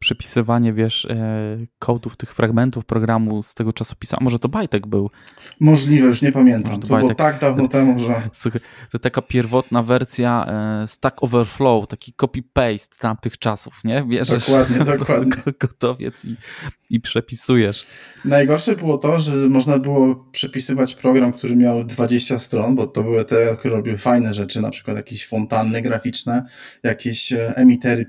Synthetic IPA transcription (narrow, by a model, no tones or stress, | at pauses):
pʂɛpʲi̥sɘvaɲɛvʲjɛʂ | kʰɔd̪uft̪ɘxfɾaɡmɛnt̪ufpɾɔɡɾamust̪ɛɡɔt͡ʂasɔ̥pʲi̥suʔa̰mɔʐɛt̪ɔbajt̪ɛɡbɘwmɔʐlʲivɛjuʂɲɛpamʲjɛntɔaʐɛmt̪ɔt̪ɔbajtwɔt̪aɡ̚d̪avnɔt̪ɛmuʐɛsuxat̪t̪akapʲjɛɾvɔt̪navɛɾsʲjast̪akɔvɛɾflɔwt̪akʲikɔpʲipɛjst̪ːamt̪ɘxt͡ʂasufɲɛvʲjɛʐd̪ɛʂwad̪ɲɛd̪ɔkwad̪ɲɛɡ̥ɔt̪ɔvʲjɛ̰t̪siipʂɛpʲisujɛʂnajɡɔɾʂɛbɘwɔt̪ɔʐɛmɔʐnabɘwɔpʂɛpʲisɘvat͡ɕpɾɔɡɾamk̚t̪uɾɘmʲjawd̪vad͡ʑeɕt͡ɕast̪ɾɔnbɔt̪ɔbɘwɘt̪ɛɔt̪k̚t̪uɾɛɾɔbʲiwfajnɛʐɛt͡ʂɘna̰pʂɘ̥kwat̪jakʲeɕfɔnt̪anːɛɡɾafʲit͡ʂnɛjakʲeɕɛmʲit̪ɛɾɘ